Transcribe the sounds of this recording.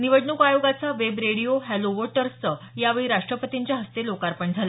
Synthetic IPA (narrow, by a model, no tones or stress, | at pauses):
niʋəɖɳukajoɡat͡saʋebɾeɽijoɦɛloʋɔʈəɾə | jaʋeɭiɾaʂʈɾəpət̪iɲt͡ɕjaɦəst̪elokaɾpəɳd͡zʱala